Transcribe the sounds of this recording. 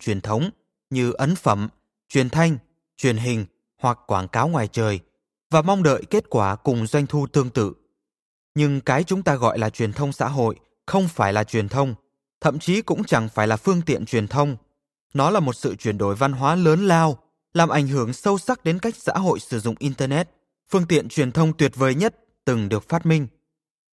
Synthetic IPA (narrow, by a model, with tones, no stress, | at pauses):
t͡ɕwi˨˩ənt̪ʰə˨˦wŋ͡m | ɲɨ˧ʔə˨˦nfə˧˩m | t͡ɕwi˨˩ənt̪ʰa˧jŋ̟ | t͡ɕwi˨˩ənɦï˨˩ŋ̟ | hwa˨˩kkːwaː˧˩nkaː˨˦wŋwaː˨˩jt͡ɕəː˨˩j | vaː˨˩ma˧wŋ͡mɗə̰ː˧˨jke˦˥t̚kwaː˧˩kʊ˨˩ŋ͡mzwa˧jŋ̟t̪ʰu˧t̪ɨ˧əŋt̪ɨ̰˧˨ | ɲɨ˧ŋkaː˨˦jt͡ɕʊ˨˦ŋ͡mt̪aː˧ɣɔ̰˧˨jlaː˨˩t͡ɕwi˨˩ənt̪ʰə˧wŋ͡msa̰ː˧˥ɦo̰˧˨j | xə˧wŋ͡mfaː˧˩jlaː˨˩t͡ɕwi˨˩ənt̪ʰə˧wŋ͡m | t̪ʰə̰˧˨mt͡ɕi˨˦kʊ̰˧˥ŋ͡mt͡ɕa˧˩ŋfaː˧˩jlaː˨˩fɨ˧əŋt̪ḭ˧˨ənt͡ɕwi˨˩ənt̪ʰə˧wŋ͡m | nɔ˨˦laː˨˩mo˨˩t̚sɨ̰˧˨t͡ɕwi˧˩ənɗo˧˩jva˧nɦwaː˨˦ləː˨˦nlaː˧w | laː˨˩mʔa˧˩jŋ̟ɦɨ˧˩əŋsə˧wsa˦˥k̚ɗe˨˦nka˦˥jk̟̚sa̰ː˧˥ɦo̰˧˨jsɨ˧˩zʊ̰˧˨ŋ͡mʔi˧nt̪əː˧nɛ˦˥t̚ | fɨ˧əŋt̪ḭ˧˨ənt͡ɕwi˨˩ənt̪ʰə˧wŋ͡mt̪wi˨˩ət̚vəː˨˩jɲə˦˥t̚ | t̪ɨ˨˩ŋɗɨ˨˩ək̚faː˦˥t̚mï˧ŋ̟